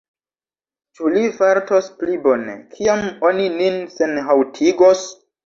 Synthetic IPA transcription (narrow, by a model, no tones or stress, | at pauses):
t͡ʃulivaɾtosplibo̞nḛkʰiamo̞nininse̞nɦawtʰiɡos